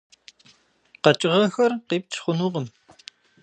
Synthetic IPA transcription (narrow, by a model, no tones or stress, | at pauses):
qɐt͡ʃʼɪʁɐxɐrqeːp̚t͡ʃʰχʷʊnuːʁəm